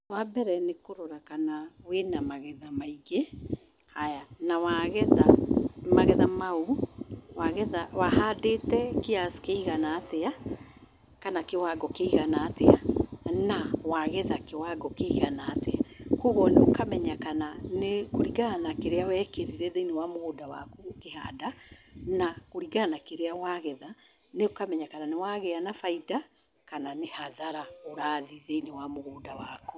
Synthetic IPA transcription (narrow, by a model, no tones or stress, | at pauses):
wabɛɾɛnekoɾoɾakanawenamaɣɛðamaiɣe | hajanawaɣɛðamaɣɛðamauwaɣɛðawahadetɛkeasi̥keiɣanaːtea | kanakewaɡɔkeiɣanaːteanawaɣɛðakewaɡɔkeiɣanaːteakuɣɔneokamɛɲakananekoɾiɡanakeɾeawɛkeɾiɾɛðeinewamoɣodawa̰kukeha̰danakoɾiɡanakeɾeawaɣɛða | neokamɛɲakananewaɣɛanafaida | kananehaðaɾaoɾaːðiðeinewamoɣoːdawaku